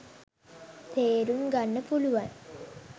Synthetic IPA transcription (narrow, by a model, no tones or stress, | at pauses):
t̪eːɾuŋɡanːəpuluʋaŋ